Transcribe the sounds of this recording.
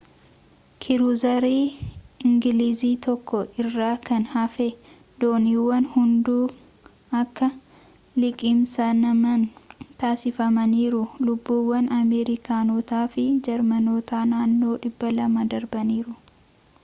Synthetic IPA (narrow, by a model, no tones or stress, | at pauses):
kʰɪɾʊzɐɾeːɪŋɡɪliːziːt̪ɔkːɔʔɪrːaːkɐnhɐfe | d̪oːniːwːɐnhʊnd̪uː | ɐkːɐ | lɪkʼɪmsɐnɐmɐnt̪aːsɪfɐmɐniːɾʊlʊbːuːwːɐnɐmeːɾɪkaːno̞ːt̪aːfɪd͡ʒɛɾmɐno̞ːt̪aːnaːnːo̞ːᶑɪbːɐlɐmɐd̪ɐɾbɐniːɾʊ